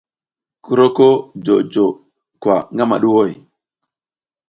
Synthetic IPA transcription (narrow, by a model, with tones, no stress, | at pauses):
ku˦ɾo˦ko˦d͡ʒo˨d͡ʒo˨ | kwa˨ŋɡa˦ma̰˨ɗu˦wo˦˨j